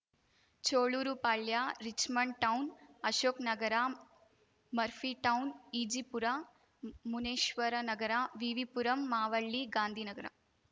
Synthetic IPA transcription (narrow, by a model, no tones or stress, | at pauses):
t͡ʃoːɭuːɾupaːɭjaːɾit͡ʃmɐɳɖʈɐwnɐʃoːknɐɡɐɾa | mɐɾfiːʈɐwniːd͡ʒipuɾa | muneːʃʋɐɾɐnɐɡɐɾaʋiʋipuɾɐmːaːʋɐɭːiɡaːnd̪ʱiːnɐɡɐɾa̰